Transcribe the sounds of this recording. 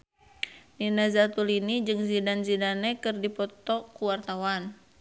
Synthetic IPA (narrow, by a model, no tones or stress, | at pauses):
ninazat̪ulinid͡ʒɨŋzidanzidanɛkɨrdipɔt̪ɔkuwart̪awan